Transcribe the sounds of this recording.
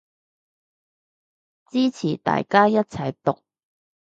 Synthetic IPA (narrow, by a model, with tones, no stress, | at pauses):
t͡siː˥t͡sʰiː˨˩t̪a̰ː˨jkaː˥jɐ˥t̚t͡sʰɐ˨˩jt̪ʊ˨k̚